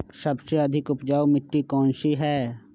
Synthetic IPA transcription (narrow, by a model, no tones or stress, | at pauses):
sɐbseɐd̪ʱɪkʊpd͡ʒaːwmɪʈːikɔ̃ːnʃiɦɛː